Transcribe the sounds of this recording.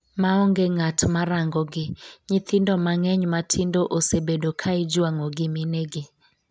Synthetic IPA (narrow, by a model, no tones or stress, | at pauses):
maɔŋɡeŋatʰmaɾaŋɡɔɡɪɲɪt̪ʰɪndɔmaŋɛɲmatʰɪndoʔosebedokʰaɪd͡ʒwaŋɔɡɪmɪneɡɪ